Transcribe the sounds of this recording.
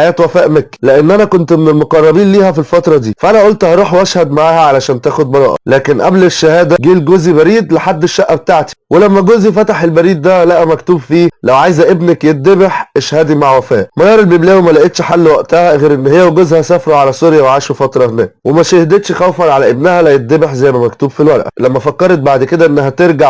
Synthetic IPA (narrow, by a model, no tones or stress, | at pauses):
ħajæːt̪wæfæːʔmækleʔenːʔænækont̪menelmoqɑrˤːɑbiːnliːhæfilfɑt̪ɾˤɑd̪ḭːfæʔænæʔolt̪hɑɾˤuːħwæʃhæd̪maʕaːhæʕalæʃæːnt̪æːxod̪̚bɑɾˤɑ̰ːʔɑ̰læːkenʔæ̰bleʃːæhæːd̪æɡiːlɡozibæɾiːd̪leħad̪ːeʃːæʔːæbet̪aʕt̪i̥welæmːæɡozifæt̪aħelbæɾiːd̪ːælæʔæmækt̪uːbfiːlæwʕajzæʔebnekjet̪̚d̪ebeħʔeʃhæːd̪imaʕwæfæːʔmæjɑːɾˤelbeblæːwemælæʔet̪ʃħalːwæʔt̪æhæɣeːɾʔenːhejːæweɡozhæsæfɾˤɑʕalæsoɾjæweʕaːʃefɑt̪ɾˤɑhenæ̰ːwemæʃæhd̪et̪ʃxæwfænʕalæʔebnæhælæjet̪̚d̪ebeħzæjmæmæk̚t̪uːbfilwælʔlæmːæfækːɑɾˤt̪̚baʕd̪ked̪æʔenːæɦæt̪eɾɡaʕ